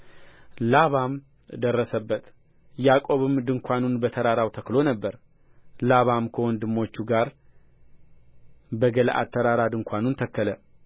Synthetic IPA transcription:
laβam | d̪ərːəsəbːət̪ʰ | jakʼo̞βɨmd̪ɨŋkʷʰanunbət̪ʰəɾaɾawt̪ʰəklo̞nəbːəɾ | laβamkʰəwɔnd̪ɨmːo̞t͡ʃːuɡaɾ | bəɡəlʔa̰t̪ʰːəɾaɾad̪ɨŋkʰʷanunt̪ʰəkːələ

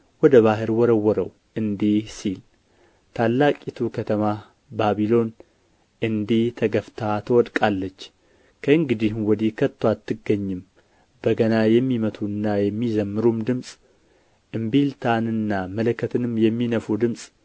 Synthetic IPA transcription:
wɔd̪əβaɦɨɾwɔɾəwːɔɾəw | ʔɨnd̪ihsil | t̪ʰalːakʼit̪ʰukʰət̪ʰəma | baβilo̞n | ʔɨnd̪iht̪ʰəɡəft̪ʰat̪ʰəwɔd̪kʼalːət͡ʃː | kʰəɨŋɡɨd̪ihwɔd̪ikʰət̪ːwat̪ːɨɡːəɲːɨm | bəɡənajɛmːimət̪ʰuɨnːajɛmːizəmːɨɾumd̪ɨmsʼ | ʔɨmbilt̪ʰanɨnːamələkʰːət̪ʰɨnɨmjɛmːinəfud̪ɨmsʼ

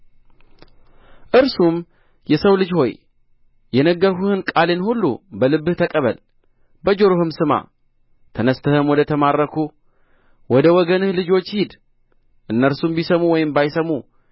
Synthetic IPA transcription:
ʔɨɾsum | jɛsəwlɨd͡ʒho̞j | jɛnəɡːəɾhuhɨnkʼalenhulːṵbəlɨbːɨht̪ʰəkʼəβə̰l | bəd͡ʒo̞ɾohɨmsɨma̰ | t̪ʰənəst̪ʰəhɨmwɔd̪ət̪ʰəmarːəkʰu | wɔd̪əwɔɡənɨhlɨd͡ʒo̞t͡ʃːhid̪ | ʔɨnːəɾsumbisəmuwɔjɪmbajsəmːu

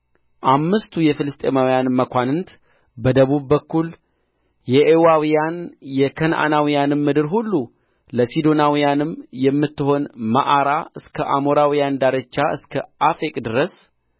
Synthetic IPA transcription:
ʔamːɨst̪ʰujɛfɨlɨst̪ʼemawijanmːəkʷanɨnt̪ | bəd̪əβubːəkːul | jɛʔewawijanjɛkʰənʔa̰nawijanɨmːɨd̪ɨɾɦulːu | ləsid̪o̞nawijanɨmjɛmːɨt̪ːɨɦo̞nma̰ʔaɾaɨskʰəʔamoɾawijand̪aɾət͡ʃːaɨskʰəʔafekʼd̪ɨɾəs

